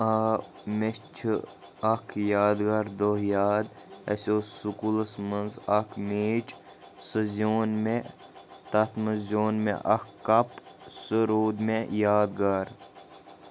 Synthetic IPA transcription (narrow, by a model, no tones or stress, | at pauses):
a | met͡ʃʰɨ | ɐkʰjaːd̪ɡaːɾd̪ohjaːd̪ḛsʲoːsukulɐsmənzɐkʰmeːt͡ʃ | səzoːnme | t̪ɐt̪mɐzʲoːnmḛʔɐkːɐpsəɾoːd̪mejaːd̪ɡaːɾ